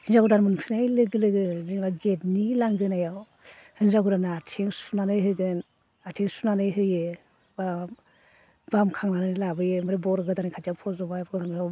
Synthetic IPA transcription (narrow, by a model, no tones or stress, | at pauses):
hinzaɡudanmɯnpʰinajlɯɡɯlɯɡɯziŋbaɡet̚nilaŋɡɯnajaw | hɯnzaɡudanaatʰeŋsunanɯjɦɯɡɯn | atʰeŋsunanɯjɦɯjɯ | ba | bamkʰaŋanɯnilabɯjɯmɯɾɯbɔɾɡɯdanikʰatapʰɔzɔbabʰɡɾʰama